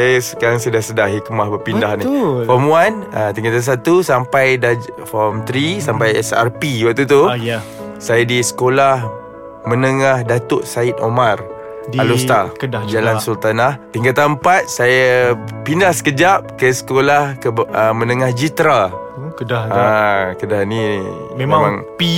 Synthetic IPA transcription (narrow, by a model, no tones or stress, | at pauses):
sajasə̥kaɾaŋsədahsədahɦikmahbəpindaɦnifɔmuanət̪iŋɡat̪ans̬at̪usampajdafɔmt̪ɾisampajɛsa̰rpiwak̚t̪ut̪u | sajadisə̥kolah | mənəŋahdat̪ʊʔsait̪̚omar | dalost̪akədad͡ʒalansult̪anaht̪iŋɡat̪aəmpat̪̚sajapindahsə̥kəd͡ʒap̚kəsə̥kolahkəəmənəŋahd͡ʒit̪ɾa | kədaakədahni | memmãŋpi